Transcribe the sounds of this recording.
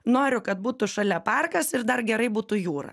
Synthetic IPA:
noːɾʲʊkɐt̪̚buːt̪ʊʃɐlʲɛpɑˑrkɐsɪɾd̪ɐrɡʲɛɾɐɪbuːt̪ʊjuːɾɐ̰

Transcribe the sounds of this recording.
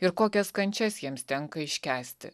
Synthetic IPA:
ɪɾkoːkʲɛskɐnʲt͡ʃʲɛsjiɛmst̪ʲɛŋkɐɪʃʲkʲæːsʲt̪ʲɪ̰

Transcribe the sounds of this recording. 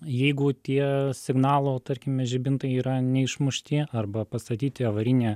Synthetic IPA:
jɛɪɡʊt̪ʲiɛsʲɪɡnɑːlˠoːt̪ɐrʲkʲɪmʲɛʒʲɪbʲɪnt̪ɐɪiːɾɐnʲɛɪʃmʊʃʲt̪ʲɪɐrbɐpɐst̪ɐt̪ʲiːt̪ʲɪɐʋɐɾʲɪnʲeː

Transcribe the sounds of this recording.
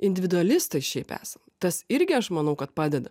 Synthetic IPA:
ɪnʲd̪ʲɪʋʲɪd̪ʊɐlʲɪst̪ɐɪʃʲɛɪpæ̰ːsɐmt̪ɐsɪɾʲɡʲɪɐʃmɐnɐʊkɐt̪̚pɑːd̪ʲɛd̪ɐ

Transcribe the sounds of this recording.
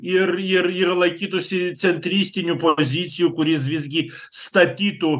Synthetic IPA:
ɪɾɪɾɪɾlˠɐɪkʲiːt̪ʊsʲɪt̪sʲɛnʲt̪ʲɾʲiːsʲt̪ʲɪnʲupozʲiːt̪sʲɪjuːkʊɾʲɪs̬ʋʲɪzʲɡʲi | st̪ɐt̪ʲiːt̪u

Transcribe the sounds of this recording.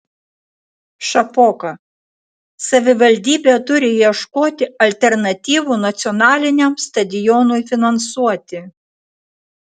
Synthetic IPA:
ʃɐpoːkɐ | sɐʋʲɪʋɐlʲd̪ʲiːbʲeːt̪ʊɾʲɪjiɛʃkoːt̪ʲɪɐlʲt̪ʲɛɾnɐt̪ʲiːʋuːnɐt̪sʲɪɔnɑːlʲɪnʲɛmst̪ɐd̪ʲɪjɔnʊjfʲɪnɐnsuɔt̪ʲɪ

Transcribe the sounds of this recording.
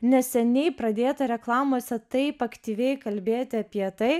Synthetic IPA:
nʲɛsʲɛnʲɛɪpɾɐd̪ʲeːt̪ɐɾʲɛklˠɑːmoːsʲɛt̪ɐɪpɐkt̪ʲiːʋʲɛɪkɐlʲbʲeːt̪ʲɪɐpʲiɛt̪ɐɪ

